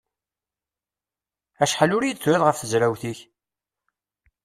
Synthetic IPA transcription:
æʃħalʊɾjd̪t͡sːwæðʁəfθəzɾæwθiç

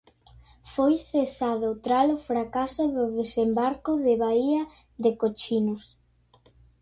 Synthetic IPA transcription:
fojθesaðot̪ɾalʊfɾakasʊðʊðesembaɾkʊðeβaiɐ | ðekot͡ʃinʊs

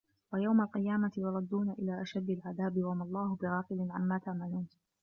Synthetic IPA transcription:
wajawmalqɨjaːmat̪ɪjʊɾˤɑd̪ːuːnaʔɪlaːʔaʃad̪ːalʕaðaːbɪwamɑlˤːɑːhʊbɪɾɑːqɪlɪnʕamːaːt̪aʕmaluːn

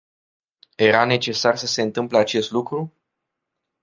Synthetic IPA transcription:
je̞ɾane̞t͡ʃe̞sarsəse̞ɨnt̪ɨmpleat͡ʃe̞st̪lukɾu

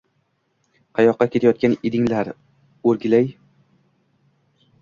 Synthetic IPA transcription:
qʰɑjɒqːɑkʲʰe̞t̪ʰajɒt̪̚kʲanɪd̪ɪŋlaɾ | ɵɾɡʲɪlaj

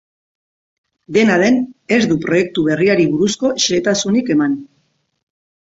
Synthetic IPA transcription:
d̪e̞naðe̞ne̞zðupɾo̞je̞k̚t̪uβ̞e̞riaɾiβuɾusko̞ʃeet̪asunike̞man

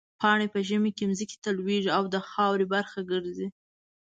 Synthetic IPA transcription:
pʰɑɳepəʒəmekemzike̥t̪alweʐiawd̪əxɑwɾebaɾxaɡəɾzi

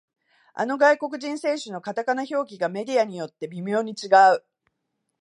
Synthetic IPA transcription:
a̰no̞ɡaiko̞k̬ɯ̟ʑĩɰ̃se̞ːɕɨno̞kat̪akanaço̞ːɡʲiɡame̞d̪ʲiaɲ̟ijo̞t̪ːe̞bʲimʲo̞ːɲ̟it͡ɕiɡaɯ̟

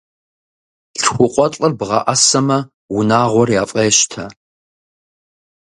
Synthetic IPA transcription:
ɬxʷʊqʷʼɔt͡ɬʼɨrbʁɐ̰ʔɐsɐmɐ | wʊnaːʁʷɔrjaːfʼɐjɛʃtʰɐ

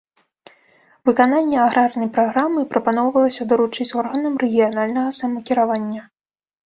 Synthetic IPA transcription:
vɨkananʲːɛaɣɾarnɐjpɾaɣɾamɨpɾɐpanɔwvɐlˠɐsʲɐd̪ɐɾut͡ʂɨt͡sʲɔrɣɐnɐmrɛɣʲijanalʲnɐɣɐsamɐkʲiɾavanʲːɐ

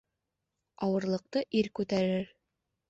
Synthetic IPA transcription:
ɒwɤ̆ɾlˠɤ̆q̚t̪ɤʔiɾkʉt̪æɾɘɾ

